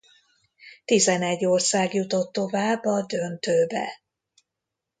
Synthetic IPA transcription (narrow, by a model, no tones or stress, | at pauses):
t̪izɛnɛɟːo̞rsaːɡjut̪o̞t̪ːo̞vaːbːɒd̪ønt̪øːbɛ̰